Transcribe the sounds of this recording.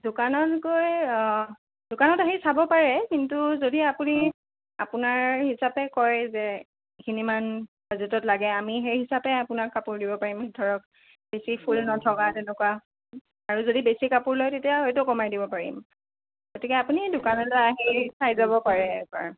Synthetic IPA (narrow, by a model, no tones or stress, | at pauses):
dʊkanɔtɡoj | dʊkanɔtaɦisabɔpaɹɛkintuzodiapuni | a̰punaɹɦisapɛkɔɹɛzɛ | kʰinimanbazutɔtlaɡɛamiɦejɦisapɛapʊnakkapuɹdibɔpaɹimhitʰɔɹɔk | besipʰulnɔtʰɔkatɛnɛkwa | aɹuzodibesikapuɹlojtetiaɦojtʊkɔmajdibɔpaɹḭm | ɡotikɛapunidʊkanɔtaaɦisajzabɔpaɹɛka̰ɹ